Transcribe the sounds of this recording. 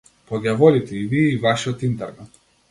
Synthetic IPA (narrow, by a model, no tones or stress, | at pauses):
pɔɡʲavɔlit̪ɛiviɛivaʃiɔt̪int̪ɛɾɡat̪